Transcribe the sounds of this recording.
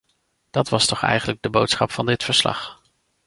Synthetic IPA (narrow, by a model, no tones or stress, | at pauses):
d̥ɑtʋɑstɔχɛ̰jχənləɡ̚dəbowtsχɑpfɑndɪtfəɹslɑ̰χ